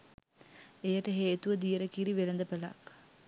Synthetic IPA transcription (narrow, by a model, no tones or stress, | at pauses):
ejɐʈəɦeːt̪uʋəd̪ijɐɾɐkiɾiʋelɐnd̪ɐpela̰ːk